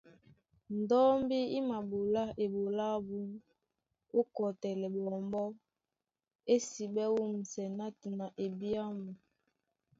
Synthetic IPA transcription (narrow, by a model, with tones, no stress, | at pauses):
n˨dɔ˦mbi˦i˦ma˨ɓo˨la˦e˨ɓo˨la˦bu˦ŋ | o˦kɔ˨tɛ˨lɛ˨ɓɔ˨mbɔ˦ | e˦si˨ɓɛ˦wu˦m̩˨sɛ˨na˦ti˨na˨ʔe˨bi˦a˦mu˨